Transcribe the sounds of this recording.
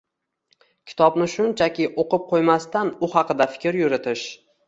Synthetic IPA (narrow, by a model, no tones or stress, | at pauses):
kʲʰɪ̥t̪ʰɒbnɪʃʊnt͡ʃʰakʲɪʔoqɨp̚qʰojmast̪anʊhɑqɨd̪afɪ̥kʲɾjʊɾɪt̪ʰɪʃ